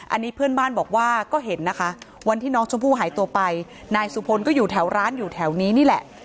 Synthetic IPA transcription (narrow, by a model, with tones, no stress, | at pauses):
ʔa˧nːiː˦˥pʰɯ˥˩ənbaː˥˩nbɔː˨˩k̚waː˥˩kɔː˥˩ɦe˩˦nːa˦˥kʰa˦˥ʔ | wa˧nt̪ʰiː˥˩nɔː˦˥ŋt͡ɕʰu˦˥mpʰuː˥˩ɦaː˩˦jt̪u˧ɐpa˧j | naː˧jsu˨˧˦pʰo˧nkɔː˥˩juː˨˩t̪ʰɛː˩˦wɾaː˦˥njuː˨˩t̪ʰɛː˩˦wniː˦˥niː˥˩lɛ˨˩ʔ